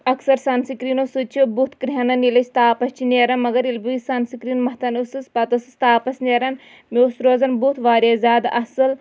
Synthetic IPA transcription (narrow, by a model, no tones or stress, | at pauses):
ɐksɐɾsɐnsikɾinosut͡ʃʰubut̪ʰkɾɦɐnɐnilɐsʲt̪aːpɐst͡ʃʰineːɾɐnmɐɡɐɾilʲbusɐnsikɾiːnmɐɦt̪ɐnusɨspɐt̪ɐsɨsʲt̪aːpɐsneːɾɐn | mʲoːsɾoːzɐnbut̪ʰʋaːɾʲjeːzʲaːd̪ɐsɨl